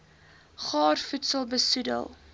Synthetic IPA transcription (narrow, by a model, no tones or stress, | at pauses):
χɑːrfutsəlˠbəsudə̰lˠ